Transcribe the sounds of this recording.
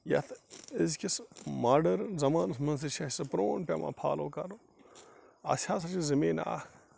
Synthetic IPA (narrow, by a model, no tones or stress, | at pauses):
jɐ̰t̪ʰɪzkʲismaːɖɐɾzɐmaːnɨsmɐns̬iʃʰɐsɨpɾoːnpʲɐmã̰pʰaːloːkɐɾu | ɐ̰sʲʰaːs̬ɐt͡ʃizimeːna̰ː